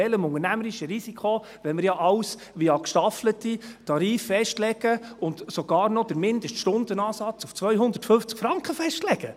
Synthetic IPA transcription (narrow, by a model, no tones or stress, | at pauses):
ɛləmʊŋənæməɾiʃəɾisikʰo | ʋɛlmɪɾjɑʔɑws | ʋiɑkʃtɑflətitɑɾiːfːɛʃtlɛɡəʊntsoɡ̥ɑːɾnɔd̥əɾmɪnd̪əʃtʃtʊnd̥̪ənɑːsɑt͡suft͡sʋœʏɦʊnd̪əɾtfɵft͡skfɾɑŋkχəfɛʃtlɛɡ̥ə